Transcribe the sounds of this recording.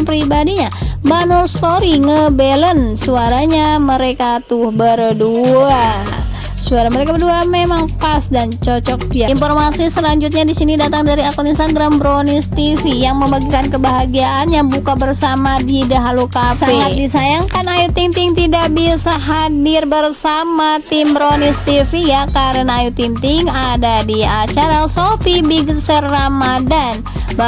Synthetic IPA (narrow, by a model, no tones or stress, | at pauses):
pɾibadiɲabanulst̪oɾiŋəbelənsuaɾaɲaməɾekat̪uhbəɾdua | suaɾaməɾekabərduamemaŋpasdant͡ʃot͡ʃɔk̚piainfɔrmasisəlaɲd͡ʒut̪̬̚ɲadisinidat̪aŋdaɾiakuninst̪aɡɾambɾonist̪ifijaŋməmbaɡikankəbaɦaɡiaʔanjabukabərsamadidəɦalukasaeŋat̪̚disajaŋkanajut̪iŋt̪iŋt̪idaʔbisaɦadɪrbərsamat̪ɪmbɾonist̪ifijakaɾənaːjut̪ɪŋt̪ɪŋadadiat͡ʃaɾasopibiɡəsərːamadan | ba